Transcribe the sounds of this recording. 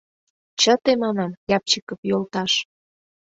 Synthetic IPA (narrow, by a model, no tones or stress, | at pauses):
t͡ɕə̆t̪emɑnɑmjɑp̚t͡ɕikɤpjolt̪ɑʃ